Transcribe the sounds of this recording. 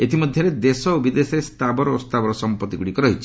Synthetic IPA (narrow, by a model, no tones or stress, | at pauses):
et̪ʰimɔd̪ʱjɔɾed̪esɔobid̪esɾest̪ʰabɔɾɔost̪ʰabɔɾɔsɔmpɔt̪iɡuɽikɔɾɔɦit͡ʃʰi̥